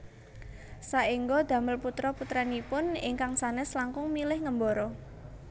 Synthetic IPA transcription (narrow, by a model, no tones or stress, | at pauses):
saiŋɡod̪̥ä̤məlput̪ɾɔput̪ɾanipʊnɪ̰ŋkaŋsanɛslaŋkʊŋmilɪhŋəmbɔɾɔ